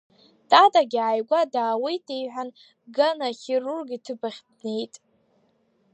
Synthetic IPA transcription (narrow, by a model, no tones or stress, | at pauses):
tʼatʼaɡʲiʕajɡʷadaːwijtʼejħʷᶣan | ɡanaχʲerurɡitʰɨbaχʲdne̞jtʼ